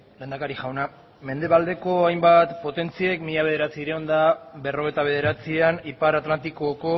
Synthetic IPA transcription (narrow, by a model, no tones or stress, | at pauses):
le̞nd̪akaɾiʝawna | me̞nd̪e̞βald̪e̞ko̞ajmbat̪po̞t̪e̞nt͡siekmiʎaβe̞ð̞e̞ɾat͡siɾeo̞nd̪abe̞ro̞ɣe̞jt̪aβ̞e̞ð̞e̞ɾat͡sianipaɾat̪lant̪ikoko̞